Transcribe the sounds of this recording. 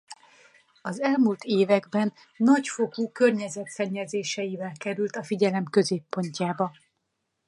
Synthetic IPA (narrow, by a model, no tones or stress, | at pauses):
ɒzɛlmuːlt̪eːvɛɡbɛnː | ɒcfo̞kuːkørɲɛzɛt̪sɛɲːɛzeːʃɛjivɛlkɛɾylt̪ɒfiɟɛlɛmkø̞zeːpːo̞ɲcaːbɒ